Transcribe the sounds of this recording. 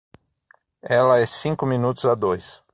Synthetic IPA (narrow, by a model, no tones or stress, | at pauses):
ɛlɐɛsĩŋkʊminut̪ʊzad̪ojs